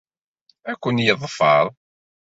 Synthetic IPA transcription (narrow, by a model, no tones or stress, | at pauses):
ækʷːənjəðˤfɑ̰ɾˤ